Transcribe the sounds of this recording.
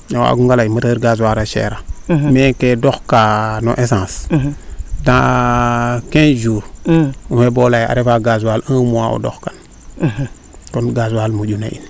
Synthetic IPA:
awa̰ɡuŋɡalaimətəɾɡaz̬waɾaʃḛɾamekedoxkano̰ʔesãs | dã | kend͡ʒuɾuhebolaja̰ɾefaɡazwalãmuwao̰do̰xkan | tonɡazwalmud͡ʒuna̰ḭn

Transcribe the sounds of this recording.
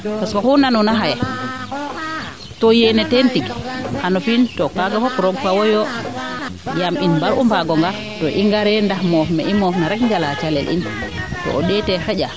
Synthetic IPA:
paskɔhunanunaɦajɛ | tɔjenɛtɛntiɡhanɔfintɔkaɡafɔpɾɔɡ̚pawɔjɔ | jaminbaɾʔumpaɡɔŋɡaɾ | tɔʔiŋɡaɾɛndahmɔfmɛ̰ʔimɔfnaɾɛkŋɡalat͡ʃalɛ̰lḭn | tɔ̰ʔːɗɛtɛhɛɟa

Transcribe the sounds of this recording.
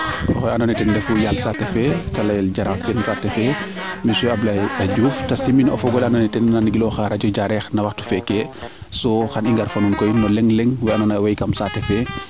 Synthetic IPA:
ɔxɔanɔnɛtɛndɛfujalsatɛfɛtɐlɐjlɟaɾafbɛnsatːɛfɛ | misɛɐblɐɐɟuːftɐsiminɔ̰fɔɡɔlanɔnɛtɛnːanɡilɔxaɾɐɟɔɟaɾɛxnɐwɐxtu̥fɛkːɛ | sɔxɐniŋɡaɾfɐnunkɔjmɔlɛŋlɛŋwɛɐnɔnawɐjkɐmsatːɛfɛ

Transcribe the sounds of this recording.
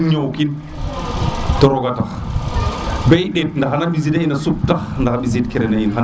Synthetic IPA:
ɲowkin | tɔɾɔɡata̰ | bɛjɗɛd̚ndaɦanabizidahinasuk̚tandahaɓizidkɛɾɛnahinaɦa

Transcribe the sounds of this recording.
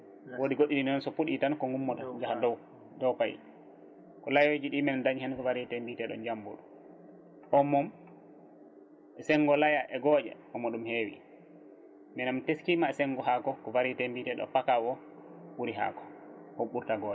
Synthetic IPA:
wodiɡoɗːininɛnɔnsɔpuɗitankɔŋɡumːɔtad͡ʒahadɔw | dɔwpajḭ | kɔlajed͡ʒiɗimɛnndaɲhɛnkɔvaɾitembitɛɗɔ̰nd͡ʒambṵɗu | ʔɔmːɔm | ɛsɛŋɡɔlajaʔɛɡɔd͡ʒɛ̰ʔɔmːɔɗumhewḭ | mɛnamteskimaɛsɛŋɡɔɦakɔkɔvaɾitembitɛɗɔ̰pakawɔ | wuɾiɦa̰kɔ̥hoɓuɾtaɡɔːʔɛ

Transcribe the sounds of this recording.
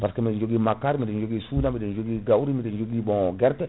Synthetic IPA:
paskemind͡ʒoɡimakːaɾmidɛnd͡ʒoɡisuːnamidɛnd͡ʒoɡiɡawuɾimidɛnd͡ʒoɡibɔ̃ɡɛɾtɛ

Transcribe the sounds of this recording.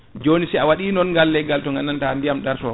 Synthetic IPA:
d͡ʒoːnisɛawaɗiːnɔnŋɡalːɛɡaltɔŋɡanːantandijamɗaɾsɔ

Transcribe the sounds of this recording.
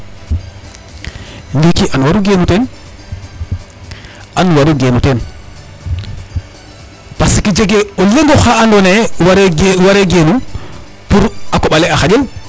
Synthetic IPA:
ndekiʔanwaɾuɡenuten | ʔanwaɾuɡenuten | pasikid͡ʒeɡeoleŋɡoxaandonewwaɾeɡenu | puɾakoɓaleaxad͡ʒen

